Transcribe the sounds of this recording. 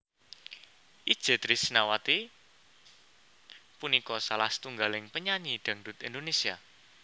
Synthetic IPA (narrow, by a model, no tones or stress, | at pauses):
ʔid̥ʒ̥e̤t̪ɾisnawat̪i | punikɔsalahst̪uŋɡalɪŋpəɲaɲiɖ̪̥a̤ŋdut̪ind̪onesia